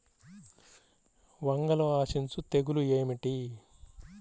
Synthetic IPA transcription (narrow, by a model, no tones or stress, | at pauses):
ʋɐŋɡɐloːaːʃint͡sut̪eɡulueːmiʈi